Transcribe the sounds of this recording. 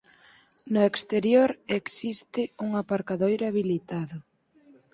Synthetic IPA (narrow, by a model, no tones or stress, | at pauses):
nʊekst̪eɾjoɾeksist̪ɪuŋapaɾkaðojɾaβilit̪aðʊ